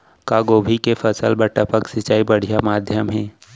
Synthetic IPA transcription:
kaːɡoːbʱikefʰəsəlbəʈəpəksɪt͡ʃaːibɐɽ̤ijamaːd̪ʱjəmɦɛ̃ː

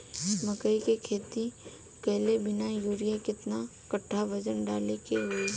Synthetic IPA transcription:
mɐkəikekʰeːt̪i | pɛɦlebɪnajuːɾɪjakɪt̪nakɐʈʰːaʋɐd͡ʒənɖaːlekeɦʊe

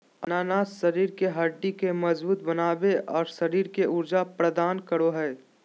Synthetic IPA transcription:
ɐnaːnaːsʃɐɾiːɾkeɦaɖikemɐzbuːt̪bɐnaːʋeɔːɾʃɐɾiːɾkeʔʊɾd͡ʒapɾəd̪aːnkəɾoɦɛː

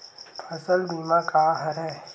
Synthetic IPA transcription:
pʰɐsəld̪iːmãkaːɦɐɾɛ̃

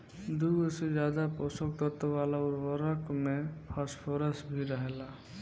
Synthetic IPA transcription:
d̪uɡɔsed͡ʒad̪apɔsɔkt̪ɔt̪ɔbalauɾɔɾəkmepʰaspʰɔɾəsbʱiɾəɦela

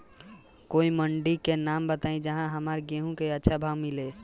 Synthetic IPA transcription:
koːiməɳɖikenaːmbət̪aːĩd͡ʒəɦãɦəmaɾɡeɦũkeətːʃʰabʱaːwmɪle

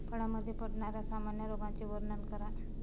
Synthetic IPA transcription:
pəɽaməd̪ʱːjepəɽɳaɾjasamanjəɾoɡãt͡ɕeʋəɾnənkəɾa

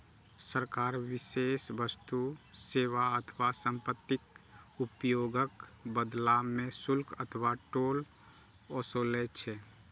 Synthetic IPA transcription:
səɾkaːɾʋɪseːsʋəst̪useːʋaət̪ʰəʋasə̃mpət̪ːɪkupjoːɡəkbəd̪lamːẽsʊlkʰət̪ʰəʋaʈoːl | ɔsolet͡ʃʰɛ

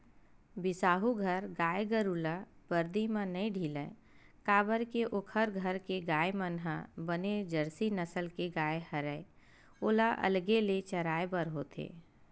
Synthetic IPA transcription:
bɪsaːɦuɡʱəɾɡaːeɡəɾuːlab̥əɾd̪imãnəĩɖʱiːlə | kaːbəɾkeʔokʰəɾɡʱəɾkeɡaːemənɦabəned͡ʒəɾsinəsəlkeɡaːehəɾəe | oːlaʔə̰lɡelet͡ʃəɾaːebəɾɦoːt̪ʰḛː

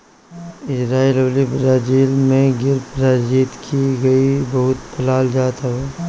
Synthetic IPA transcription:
ɪd͡ʒɾaːiːloːlibɾaːd͡ʒiːlmẽɡɪɾbɾaːd͡ʒiːt̪kʰiɡɐibɐɦʊt̪pʰɐlaːld͡ʒaːt̪aɦɛː

